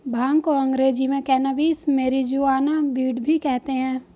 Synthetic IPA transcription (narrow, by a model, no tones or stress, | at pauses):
bʱaːŋkoə̃ŋɡɾeːd͡ʒimẽkɛːnəʋiːsmeːɾid͡ʒuaːnabiːɖbʱikɛɦt̪eɦɛ̃ː